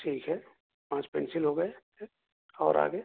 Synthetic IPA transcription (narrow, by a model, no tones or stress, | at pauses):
ʈʰiːkɦɛː | pãːt͡ʃpɛ̰̃nsɪlɦoːɡəe | e | ɔːɾa̰ːɡəe